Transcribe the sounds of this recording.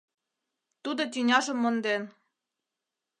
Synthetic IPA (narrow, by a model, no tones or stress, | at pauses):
t̪ud̪ŏt̪̬ʲynʲɑʒɤ̆mːŏnd̪en